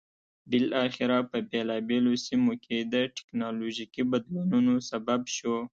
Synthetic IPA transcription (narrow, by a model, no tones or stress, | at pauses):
bɪlʔɑxɪɾapəbelɑbelosimokʰed̪əʈɪ̥knɑloʒikibad̪lununosababʃo